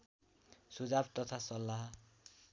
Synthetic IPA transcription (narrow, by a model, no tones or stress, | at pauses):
sud͡zabt̪ʌt̪ʰasʌlːaɦ